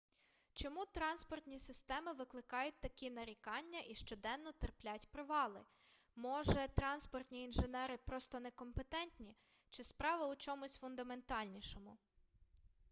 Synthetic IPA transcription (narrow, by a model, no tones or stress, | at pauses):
t͡ʃɔmut̪ɾɑnspɔrt̪ʲnʲisɪst̪ɛmɪʋɪklˠɪkɑjʊt̚ʲt̪ɐkʲinɐɾʲikɑnʲːɐʔiʃt͡ʃɔd̪ɛnːɔt̪erplʲatʲpɾɪʋɑlˠɪ | mɔʒɛt̪ɾɑnspɔrt̪ʲnʲiːnʒenɛɾɪpɾɔst̪ɔnekɔmpet̪ɛnʲt̪ʲnʲi | t͡ʃɪspɾɑʋɐʊt͡ʃɔmʊsʲfʊnd̪ɐme̞nt̪ɑlʲnʲiʃɔmʊ